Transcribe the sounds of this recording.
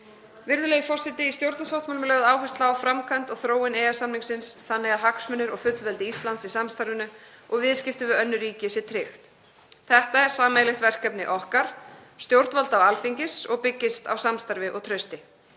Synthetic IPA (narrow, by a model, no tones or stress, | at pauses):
vɪɾðʏleːjfɔr̥sɪt̪ɪist̪jowɾt̪nasawht̪maːlmlœɣðaːwɦast̪laafɾamkʰajnt̪ɔɣθɾoːwɪnɛːjasamniŋksɪnsθanːɛɣaðɦaksmʏnːʏɾɔɣfʏt̪lvɛlt̪ɪist̪lant̪sisamst̪aɾvʏnʏ | ɔɣvɪðscɪft̪ʏvɪœnːʏriːcɪsjɛt̪ʰɾɪxt̪ | θɛht̪aɛɾ̥saːmejlɪxt̪vɛr̥kœpnɪ̰ʔɔhkaɾ̥st̪jowɾt̪valt̪avalfiɲcɪsɔɣpɪcːɪst̪a̰wsamst̪aɾvɪʔɔɣt̪ʰɾœɥst̪ɪ